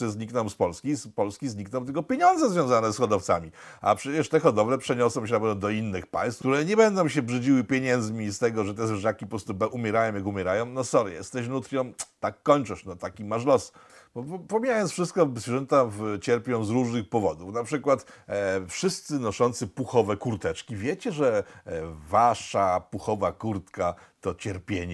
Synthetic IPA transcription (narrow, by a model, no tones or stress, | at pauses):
ɛzɲiknɔ̃w̃spɔlskʲispɔlskʲizɲiknɔ̃w̃t̪ɛkɔpʲjeɲɔnd̪zɛzvʲjɔ̃w̃zanɛsxɔd̪ɔft̪sa̰mʲi | a̰pʂɛt͡ɕɛʂt̪ɛxɔd̪ɔvlɛpʂɛɲɔsɔ̃w̃ɕ̬ɛnapɛvɔ̃d̪ɔinːɘxpa̰j̃st̪kt̪uɾɛɲɛbɛnd̪ɔ̃w̃ɕɛbʐɘd͡ʑiwɘpʲjeɲɛnd̪zmʲist̪ɛɡɔʐɛt̪ɛzʐakʲipɔpɾɔst̪ubʔumʲjɛɾajɔ̃w̃jakumʲɛɾajɔ̃w̃nɔsɔɾjɛst̪ɛɕnut̪ɾʲjɔ̃mt̪akːɔɲt͡ʂɔ̃ʂnɔt̪akʲimaʂlɔsbɔppɔmʲijajɔnsfʂɘst̪kɔzvʲɛʐɛnt̪avt͡ɕɛɾpʲjɔ̃w̃zɾuʐnɘxpɔvɔd̪ufnapʂɘkwat̪fʂɘst̪sɘnɔʂɔnt̪sɘpuxɔvɛkuɾt̪ɛt͡ʂkʲivʲjet͡ɕɛʐɛ | vaʂapuxɔvakuɾt̪kat̪ɔt͡ɕɛɾpʲjeɲɛ